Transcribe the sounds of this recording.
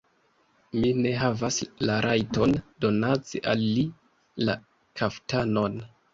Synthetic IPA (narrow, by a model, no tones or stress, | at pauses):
mine̞ɦavaslaɾʔajto̞ndo̞nat͡seʔalːi | la̰ | kʰaftano̞n